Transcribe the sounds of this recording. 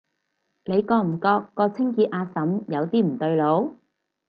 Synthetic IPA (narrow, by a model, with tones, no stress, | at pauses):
ne˨˧jkɔː˧m̩˨˩kɔː˧kːɔː˧t͡sʰɪ˥ŋkiː˧t̚ʔaː˨˧sɐ˨˥mjɐ˨˧wt̪iː˥m̩˨˩t̪ɵ˧ɥlo˨˧˥w